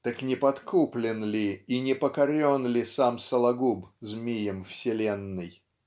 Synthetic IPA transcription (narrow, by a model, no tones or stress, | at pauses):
t̪əknʲɪpɐt̪kuplʲɪnlʲɪinʲɪpəkɐɾʲonlʲɪsamsəlˠɐɡubzmʲijəmfsʲɪlʲenːɨj